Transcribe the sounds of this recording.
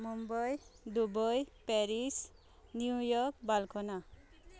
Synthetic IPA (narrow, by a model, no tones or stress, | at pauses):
mumbɔjd̪ubɔjpeɾis | niujɔk̚balkʰɔna